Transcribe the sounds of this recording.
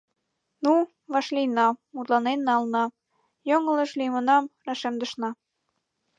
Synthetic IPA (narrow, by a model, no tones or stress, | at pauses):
nu | βɑʃlinɑmut̪lɑnennɑlnɑ | joŋə̆lə̆ʃlimənɑmrɑʃemd̪ə̆ʃnɑ